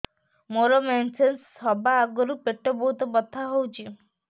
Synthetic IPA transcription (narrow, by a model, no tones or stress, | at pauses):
moɾɔmensensːɔbaːɡɔɾupeʈːɔbɔɦut̪ɔbɔt̪ʰːaɦowt͡ʃʰi